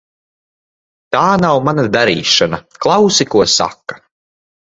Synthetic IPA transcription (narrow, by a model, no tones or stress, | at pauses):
t̪aːnawmanad̪aɾḭːʃanaklˠawsikuɔsa̰kːḁ